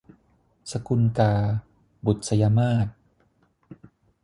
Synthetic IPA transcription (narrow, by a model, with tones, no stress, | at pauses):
sa˧ku˧nkaː˧ | bu˨˩t̪̚sa˧ja˧maː˥˩t̪̚